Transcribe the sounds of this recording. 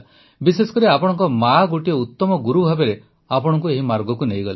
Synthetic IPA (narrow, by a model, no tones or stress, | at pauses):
bisesɔ̥kɔɾiapɔɽ̃ɔŋkɔmaɡuʈiɔut̪ːɔmɔɡuɾubʱabeɾe | apɔɽ̃ɔŋkueɦimaɾɡɔkunejɡɔle